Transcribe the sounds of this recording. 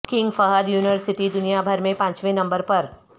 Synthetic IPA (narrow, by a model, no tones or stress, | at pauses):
kɪ̃ŋɡfɐɦəd̪juːnɪʋəɾsɪʈid̪ʊnijabʱɐɾmẽpãːt͡ʃʋẽnɐ̃mbəɾpɐɾ